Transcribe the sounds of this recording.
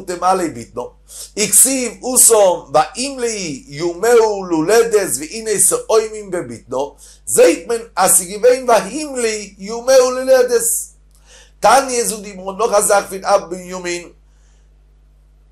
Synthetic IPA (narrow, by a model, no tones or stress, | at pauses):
tɛmalebɪ̰t̚nɔ | ɪksivusɔmvaʔimlijumɛʊlulɛdɛsviineɪsɔʔoɪmɪnvɛbɪ̰t̚nɔ | zeɪtmɛnasɪɡɪveɪnvahimlijumɛʊlulɛdɛs | tanjɛzudɪmɔnɔχazaχfɪnabbijumɪn